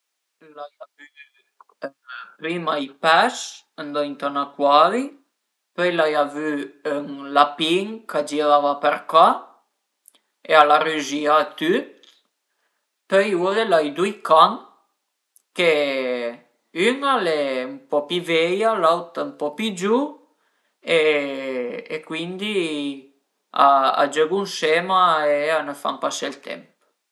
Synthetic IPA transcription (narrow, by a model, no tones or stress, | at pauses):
lajavy | pɾimajpaʃ | and̪ɔint̪anakwali | pœjlajavyəŋlapiŋkʰad͡ʒiɾavapeɾka | ealaryʒiat̪yt̪ | pøjudelajd̪ujkʰaŋ | ke | yŋalɛmpɔpivɛjalawt̪aumpɔpid͡ʒu | e | ekwind̪i | a̰a̰d͡ʒɛɡunʃɛmaeanəfa̰mpaselt̪ʰɛ̰mp